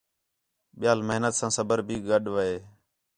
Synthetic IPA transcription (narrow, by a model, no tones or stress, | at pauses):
ɓɪjaːlməɦnət̪sãːsəbəɾbʱiːɡəɗʋəeː